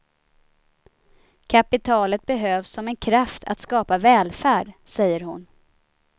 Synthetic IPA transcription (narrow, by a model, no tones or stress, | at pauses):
kʰapɪt̪ʰɑːlət̪̚bɛɦøːvsːɔmɛnkʰɾaft̪ʰa̰t̪skɑːpavɛːlfæːɖsɛjːəɾɦʊn